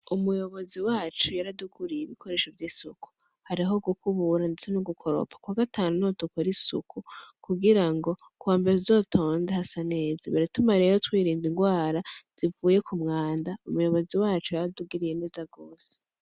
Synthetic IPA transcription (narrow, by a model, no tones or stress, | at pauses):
umujo̞βo̞ziwaːt͡ʃujaɾaduɡuɾijeβikʰo̞ɾe̞ːʃovjiːsuku̥ | haɾiɦo̞ɡukuβuɾandet͡senuɡukʰo̞ɾo̞̰pʰḁkwaːɡataːnunotukoɾisṵkukuɡiɾaŋɡo̞kaːmbeɾezo̞tʰo̞ːnzehasane̞ːzaβeɾetumaɾe̞ɾotwiːɾiːndiŋɡwaːɾaz̥ivuːje̞kumŋaːndaumujo̞βo̞ziwaːt͡ʃujaɾaduɡiɾije̞ne̞ːzaɡoːse̥